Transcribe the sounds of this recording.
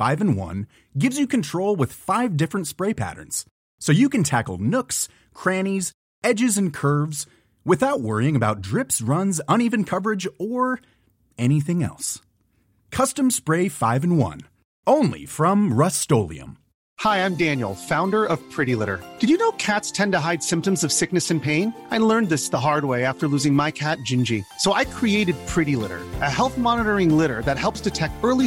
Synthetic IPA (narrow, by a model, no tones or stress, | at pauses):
faɪvɨ̃n̩wʌ̰̃n | ɡɪvzjɨkɨ̃n̩tʰɹ̥oʊlˠwɨð̥faɪvdɪfɹɨ̃ntspɹeɪpʰæ̰ɾə̰̃˞nz̥ | soʊjɨkɨ̃ntʰækl̩ˠnʊks | kʰɹ̥æniz | ɛd͡ʒɨzɨ̃nkʰɜ˞vz̥ | wɨθaʊt̚wɜ˞iɪ̃ŋɨbaʊt̚dɹɪpsɹʌ̃nzʌ̃ñivɨ̃n̩kʰʌvə˞ɨd͡ʒə˞ | ɛɾ̃iθɪ̃ŋɛ̰lˠs | kʰʌstɨ̃mspɹeɪfaɪvɨ̃n̩wʌ̰̃n | õʊ̃nlḭfɹʌ̃mɹʌstoʊlˠḭɨ̰̃m | haɪãɪ̃mdæ̃njl̩ˠfãʊ̃ndə˞ʔʌv̥pʰɹ̥ɪɾilɪɾə̰˞d̥ɨd͡ʒɨnoʊkʰætstʰɛ̃ntɨɦaɪd̥sɪ̃mptɨ̃m̩zʌv̥sɪk̚nɨsɨ̃npʰẽɪ̃naɪlɜ̃˞nðɪsðəɦɑɹd̚weɪæftə˞lʉzɪ̃ŋmaɪkʰæt̚d̥ʒ̥ɪ̃nd͡ʒisoʊʔaɪkʰɹ̥ieɪɾɨd̚pʰɹ̥ɪɾilɪ̰ɾə̰˞ʔɨhɛlˠθmɑnəɾə˞ɪ̃ŋlɪɾə̰˞ðɨt̚hɛlˠpsdʰɨtʰɛk̚tɜ˞lˠi